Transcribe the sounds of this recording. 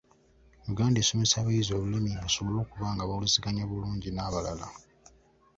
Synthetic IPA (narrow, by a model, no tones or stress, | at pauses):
juɡaːndeːso̞me̞saːβaizo̞ːβulimiŋɡaso̞βo̞lo̞ːkuβaːŋɡaβawleziɡaɲaβuluːɲɟinaːβalala̰